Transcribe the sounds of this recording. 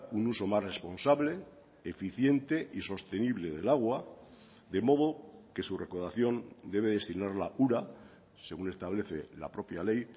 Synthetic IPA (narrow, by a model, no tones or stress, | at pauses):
unuso̞masre̞spo̞nsaβle̞ː | fiθje̞nt̪e̞ʔiso̞st̪e̞niβle̞ðe̞laɣ̞wa | ðe̞mo̞ðoke̞sure̞koðaθjo̞nd̪e̞β̞eðe̞st̪inaɾlauɾa | se̞ɣ̞une̞st̪aβle̞θe̞̰la̰pɾo̞pjalej